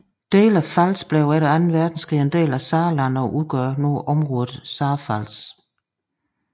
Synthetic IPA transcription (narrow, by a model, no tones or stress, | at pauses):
d̥e̝̰ːlæfælsb̥lɛʊæɐɾ̥eænn̩ʋæɐd̥n̩sɡ̥ʁiend̥e̝̰ːlæsɑ̈ːlænɒʔuðˠɡ̥ɶɐnoːʔɒ̽mʁɔ̽ːðð̩ˠsɑ̈ːfæl̰s